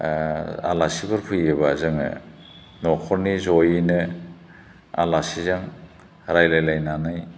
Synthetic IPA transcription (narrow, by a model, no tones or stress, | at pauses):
a̰lasibɯɾpʰɯjɯbazɯŋɯ̰ | nɔkʰɔɾnizɔjinɯ | a̰lasizaŋ | ɾajlajlajnanaj